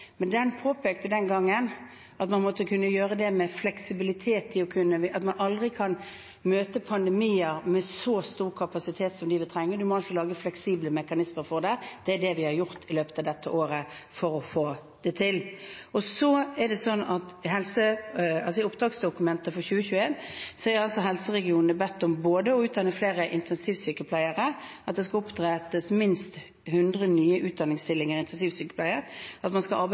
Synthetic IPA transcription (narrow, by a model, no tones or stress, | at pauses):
mɛnd̪ɛnpʰoːpʰɛːk̚t̪əd̪ɛnɡɑŋːən | ɑt̪mɑnmɔt̪ːəkʰʉnːəjøːʁəd̪ɛmɛflɛksɪbɪlɪt̪ʰeːt̪ʰːɪɔkʰʉnːəɑt̪mɑnɑld̪ʁɪkʰɑn | møːt̪əpʰɑnd̪ɛmiːəɾmɛsɔst̪uːʁɾkʰɑpɑsɪt̪ʰeːt̪sɔmd̪ɪʋɪt̪ʰɾɛŋːəd̪ʉmɔɑlsɔlɑːɡəflɛksiːbləmɛkɑnɪsməɾfɔʁd̪ɛd̪̥ɛæɖɛʋɪhɑɾjʊɾt̪ʰɪløːpə̥t̪ɑːʋd̪ɛt̪ːəʔoːɾəfɔɾɔfoː | d̪̥ɛt̪ʰɪlɔsɔæɖɛsɔnːɑt̪ɪɦɛlsəɑlsɔɪʊpd̪ʁɑːɡsd̪ʊkʉmɛnt̪əfɔɾçʉːəçʉːəeːnsɛəɾɑlsɔɦɛlsəʁɛɡɪuːnnəbɛt̪ːɔmboːd̪əɔʉːt̪̚d̪ɑnəfleːʁəʔɪnt̪ʰɛnsiːʋsyːkəpʰlæɪəɾəɑt̪̚d̪ɛskɑʊpd̪ʁeːt̪əsmɪnst̪ | hʉnd̪ʁənyːəʔʉːt̪̚d̪ɑnːɪŋst̪ɪlːɪŋəɾɪnt̪ʰɛnsiːʋsyːkə̥pʰlæɪəɾɑt̪mɑnskɑʔɑɾb